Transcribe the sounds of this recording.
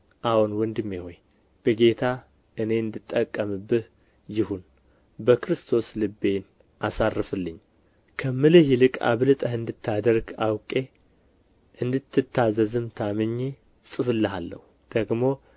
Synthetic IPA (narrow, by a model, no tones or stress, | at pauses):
ʔahunwɔnd̪ɨmːiho̞j | b̥əɡe̞t̪ʰa | ʔɨne̞ɨnd̪ɨt̪ʼːəkʼːəmɨbːɨh | jɪhun | bəkɾɨst̪ʰo̞slɨbːe̞n | ʔasarːɨfɨlːɨɲː | kʰəmɨlɨhlɨkʼa̰βlɨt̪ʼəhɨnd̪ɨt̪ʰːad̪əɾɡawkʼe̞ | ʔɨnd̪ɨt̪ʰːɨt̪ʰːazəzɨmt̪ʰamɨɲːe | sʼɨfɨlːɨɦalːə̰hu | d̪̥əɡmo̞